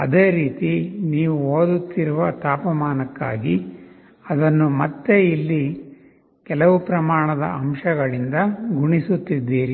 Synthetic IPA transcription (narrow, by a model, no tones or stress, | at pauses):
ɐ̰d̪e̞ːɾiːt̪iniːʋuɦoːd̪ut̪ːiɾuʋɐt̪aːpɐmaːnɐkːa̰ːɡi | ɐd̪ɐnːumɐt̪ːeilːi | kɛlɐʋupɾɐmaːɳɐd̪ɐ̰ɐmʃɐɡɐɭind̪ɐɡʱuɳisut̪ːid̪ːiːɾi